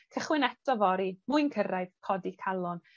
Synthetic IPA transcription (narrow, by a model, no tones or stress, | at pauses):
kʰəχwɪnɛtʰɔvɔɾimuɨnkʰəɾaɨðkʰɔdikʰalˠɔn